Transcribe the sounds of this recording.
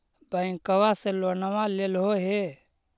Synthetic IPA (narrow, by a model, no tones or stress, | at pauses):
bəĩkəwaselonəʋãlelɦoɦe